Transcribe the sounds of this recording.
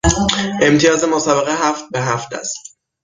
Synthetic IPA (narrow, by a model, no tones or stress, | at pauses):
ʔe̞mt̪ʰijɒːzemosæbeɣeɦæft̪̚beɦæft̪ʰæ̰st̪